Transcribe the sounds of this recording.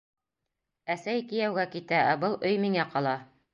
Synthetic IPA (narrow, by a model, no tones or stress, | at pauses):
æsæjkijæwɡækit̪ææbɤlˠʔɵjmiŋæqɑlˠɑ